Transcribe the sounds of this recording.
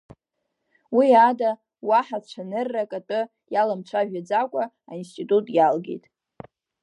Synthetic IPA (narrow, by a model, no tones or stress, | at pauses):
wiada | waħat͡ʃʷʰanɨrːakʼatʼɨ | jalamt͡ʃʷʰaʒᶣad͡zakʷʼa | ainstʼitʼutʼjalɡḛjtʼ